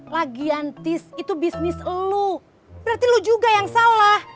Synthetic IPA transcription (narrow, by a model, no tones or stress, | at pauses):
laɡiant̪ɪsit̪ubisnɪslo | b̥əɾart̪ilud͡ʒuɡajaŋsalah